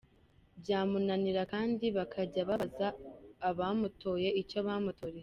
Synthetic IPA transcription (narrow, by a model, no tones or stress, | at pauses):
bɟaːmunaniɾakaːndiβakʰaɟaβazaːβamuto̞je̞icoβaːmutoɾe